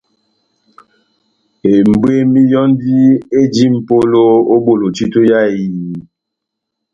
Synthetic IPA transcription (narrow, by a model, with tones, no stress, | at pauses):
e˨m̩˨be˦mi˦jɔ˦ndi˦e˦d͡ʒi˦m̩˨po˦lo˦o˦ɓo˦˨lo˨t͡ʃi˦to˦ja˦˨i˨